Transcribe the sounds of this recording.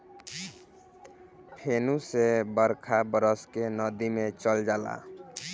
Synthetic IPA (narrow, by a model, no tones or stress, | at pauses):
pʰenũsebəɾkʰabəɾəskenəd̪imet͡ʃəld͡ʒala̰